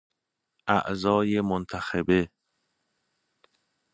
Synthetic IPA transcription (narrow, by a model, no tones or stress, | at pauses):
ʔæ̰ʔzɒːjemont̪ʰæxebe